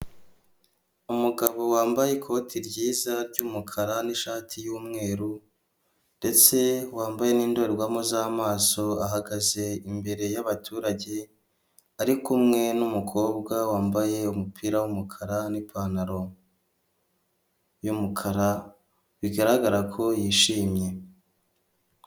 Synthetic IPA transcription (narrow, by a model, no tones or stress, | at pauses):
umuɡaβo̞waːmbajekʰo̞tʰiɾɟiːzaɾɟumukʰaɾaniʃaːtʰijuːmŋe̞ːɾu | nde̞t͡se̞waːmbaje̞niːndoɾeɾɡwamozaːmaːso̞aɦaɡaze̞imbe̞ɾe̞jaβatʰuːɾaɟe̞ | aɾikumŋe̞numukʰo̞ːbɡawaːmbaje̞umupʰiːɾawumukʰaɾanipʰaːnaɾo̞ | jumukʰaɾa | βiɡaɾaɡaɾakʰo̞jiːʃiːmɲe̞